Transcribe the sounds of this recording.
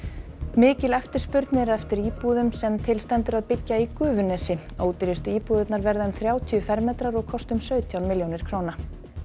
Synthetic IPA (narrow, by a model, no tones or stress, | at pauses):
mɪːcɪlɛft̪ɪɾ̥spʏɾt̪nɪɾɛft̪ɪɾiːpuðʏmsɛmt̪ʰɪlst̪ɛnt̪ʏɾaðpɪcːaikʏːvʏnɛːsɪ | oːwt̪ɪɾɪst̪ʏiːpuːðɪt̪naɾvɛɾðaɛmθɾjaːwt̪ʰiʏfɛɾmːeːt̪ɾaɾɔɣkʰɔst̪ʏmsœːɥt̪ʰjawnmɪljownɪɾ̥kʰɾoːwna